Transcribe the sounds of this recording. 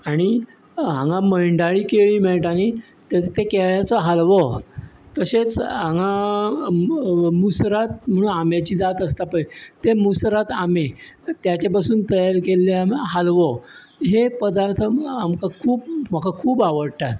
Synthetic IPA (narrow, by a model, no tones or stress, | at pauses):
aɽ̃i | ɦãŋɡãməjɳɖaɭiːkeɭiːmɛɭʈani | t̪et̪ekɛɭjat͡sɔɦalʋɔt̪əset͡sãŋa | musɾat̪̚m̤əɽ̃ũːnamjat͡ɕiːd͡zat̪əst̪apəjt̪emusɾat̪amet̪jat͡ɕapasuːnt̪əjaɾkelːeamɦalʋɔ | ɦepəd̪aɾt̪ʰəamkakʰuːpm̤akakʰuːbaʋəɽʈ̪at̪